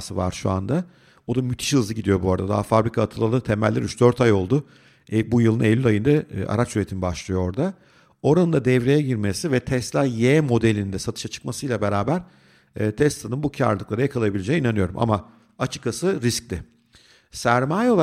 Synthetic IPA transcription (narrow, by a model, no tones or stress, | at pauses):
sɯva̰ɾʃṵa̰nd̪a | o̞d̪amyt̪ʰi̥ʃhɯzɯɟid̪ijo̞buaɾad̪ad̪a̰ɦafabɾikʰaːt̪ʰɯlˠalˠɯt̪ʰemælʲːɛɾyt͡ʃd̪øɾt̪ʰajo̞lˠd̪ʊ | bujɯlˠɯnelːʲylʲajɯnd̪aa̰ɾat͡ʃsyɾet̪ʰinibaʃlˠɯjo̞o̞ɾd̪a | o̞ɾanɯnd̪ad̪ɛvɾejɛɟiɾmesivɛt̪ʰɛst̪lʲˠajeːmo̞d̪elʲinind̪ɛsat̪ʰɯ̥ʃat͡ʃʰɯ̥k̚masɯjlʲˠabeɾaːbæɾ̥ː | t̪ʰɛst̪lˠanɯnbucʰa̰ɾlˠɯklˠaɾɯjakʰalˠajabilʲed͡ʒejinanɯjo̞ɾṵmʔa̰ma | at͡ʃʰɯ̥kːasɯɾisc̚lʲɪ | sæɾmaːjɛo̞lˠ